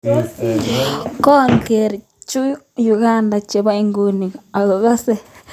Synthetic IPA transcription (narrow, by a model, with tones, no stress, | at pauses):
ko˦˨ŋke˨ɾi˨ | t͡ʃu˦ | ju˧ɣa˦˨nda˨t͡ʃe˨βa˦i˧ŋɡu˧ni˨a˨lo˨ɣa˦se˦